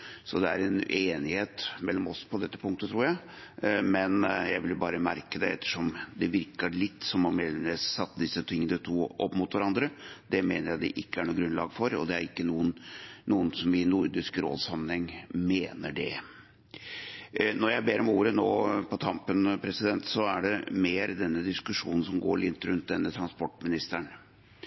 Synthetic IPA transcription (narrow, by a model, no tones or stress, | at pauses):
sɔd̪ɛæ̰ɾɛneːnɪheːt̪mɛlːɔmɔspʰɔd̪ɛt̪ːə̥pʰʊŋkt̪ət̪ʰɾuːɾjæɪ | mɛnjæɪʋɪlbɑ̰ːɾəmæɾkəd̪ɛɛt̪ːə̥ʂɔmd̪ɛʋɪɾkəɭɪt̪ːsɔmɔmeːd̪ɛmneːsːɑt̪ːəd̪ɪsːət̪ʰɪŋːənət̪ʰuːʔɔpːmʊt̪ʋæɾɑnd̪ɾəd̪̥ɛmeːnəɾjæɪd̪ɛ̰ʔɪkːəæɳuːɡɾʉnlɑ̰ːɡfɔɾɔ̰d̪ɛæɾɪkːənuːənnuːənsɔmɪnʊɾd̪ɪskɾo̰ːd̪sɑmːənhɛŋːmeːnəɖɛ | nɔɾjæɪbeːɾɔmuːɾənoːpʰɔt̪ʰɑmpənpʰɾɛsɪd̪ɛnt̪sɔæɖɛmeːɾd̪ɛnːəd̪ɪskʉʂuːnn̩sɔmɡo̰ːɾɭɪt̪ːɾʉnt̪̚d̪ɛnːət̪ʰɾɑnspɔʈːmɪnɪst̪əɳ